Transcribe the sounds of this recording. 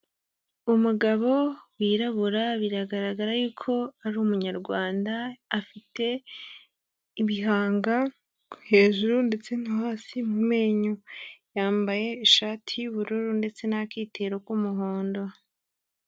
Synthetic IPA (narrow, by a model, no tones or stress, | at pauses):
umuɡaβo̞wiːɾaβuɾaβiɾaɡaɾaɡaɾajuːkʰo̞aɾumuɲaɾɡwaːndaːfitʰe̞ | iβiɦaːŋɡa | kuhe̞ːʒuɾunde̞t͡se̞n̥ihaːsimume̞ːɲujaːmbaje̞iʃaːtʰiuβuɾuɾunde̞t͡se̞nakiːtʰe̞ɾokumuɦoːndo